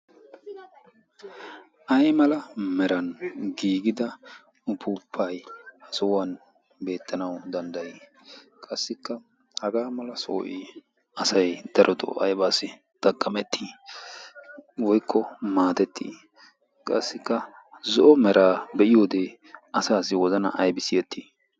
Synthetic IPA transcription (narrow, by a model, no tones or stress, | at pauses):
ʔɐjmɐlɐmɛɾɐnɡiːɡɪd̪ɐ | ʊpʰupʰːɐjhɐsɔwɐn | be̞ːt̪ːɐnɐwd̪ɐnd̪ɐji | kʼɐsːɪkːɐ | hɐɡaːmɐlɐso̰ːʔɪ | ɐsɐjd̪̥ɐɾʔɔd̪ɔ̰ʔɐ̰jbaːsɪ | d̪̥ɐɡʼːɐmɛt̪ʰːiː | wɔjkʰːɔmaːt̪ɛt̪ːḭː | kʼɐsːɪkːɐ | zɔʔɔmɛɾʔaːbɛʔɪjo̞ːd̪e | ɐsaːsɪwɔzɐnɐ̰ʔɐjbɪsɪjɛt̪ːiː